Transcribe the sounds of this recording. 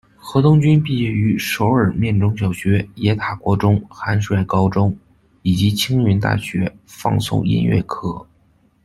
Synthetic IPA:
xɤ˧˥t̪ʊ˥ŋt͡ɕy˥npi˥˩ɛ˥˩y˧˥ʂo˧˥ʊə˞˨˩mjɛ˥˧˩nʈ͡ʂʊ˥ŋɕ̬jɑ˨˩ʊɕɥɛ˧˥jɛ˧˥t̪ʰa˨˩kwɔ˧˥ʈ͡ʂʊ˥ŋxa˧˥nʂwa˥˩ɪkɑ˥ʊʈ͡ʂʊ˥ŋ | i˨˩t͡ɕi˧˥t͡ɕʰi˥ŋɥy˧˥nt̪a̰˥˩ɕɥɛ˧˥fɑ̰˥˧ŋsʊ̰˥˩ŋḭ˥nɥɛ̰˥˩kʰɤ˧˥˩

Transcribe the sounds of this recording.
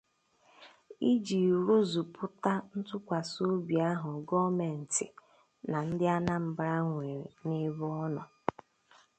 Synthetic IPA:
i˦d͡ʒi˨ɾu˦zu˨pʰʊ˦ta˦n̩˦tʊ˦kʷa˨so˦bi˨a˦ɦʊ˨ɡɔ˦me˨n̩˨tɪ̰˨ | na˨n̩˦dɪ˦a˦na˦m̩˨bɾa˦ŋʷe˨ɾe˨ne˦βɔ˦nɔ˨

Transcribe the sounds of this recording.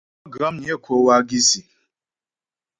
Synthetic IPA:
ɡɾa˦m̩˦ɲe˦˨kʷʰo˨˦wa˦ɡi˦si˨

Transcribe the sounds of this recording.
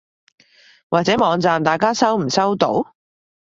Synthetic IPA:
waː˨t̚t͡sɛː˨˥mɔː˨˧ŋt͡saː˨mt̪aː˨jkaː˥sɐ˥wm̩˨˩sɐ˥wt̪o̰˨˥w

